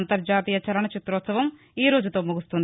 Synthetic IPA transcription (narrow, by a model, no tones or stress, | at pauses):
nt̪ɐɾd͡ʒaːt̪iːjɐt͡ʃɐɾɐɳɐt͡ʃit̪ɾɔːt̪sɐʋɐm | iːɾo̞ːd͡ʒut̪o̞ːmuɡust̪und̪